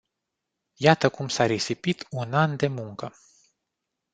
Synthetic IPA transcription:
jat̪əkumsaɾesipit̪unand̪e̞muŋkə

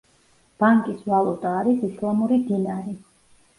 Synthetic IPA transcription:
b̥aŋkʼisvalˠɔt̪ʼaːɾisislˠamuɾid̪inaɾi

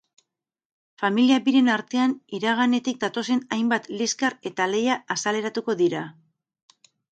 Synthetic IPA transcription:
familiaβiɾe̞naɾt̪e̞aniɾaɣ̞ane̞t̪ik̚d̪at̪o̞se̞najmbat̪liskaɾe̞t̪ale̞jaasale̞ɾat̪uko̞ðiɾa

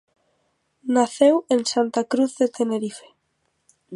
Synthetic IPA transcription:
naθewensant̪akɾuθðet̪eneɾife̥

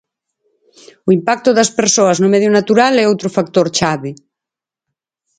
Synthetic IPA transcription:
uimpak̚t̪uðɐspeɾsoɐznumɛðjunat̪uɾalɛowt̪ɾofak̚t̪oɾt͡ʃaβi

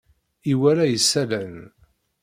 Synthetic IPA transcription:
iwæɾæjəsːælæn

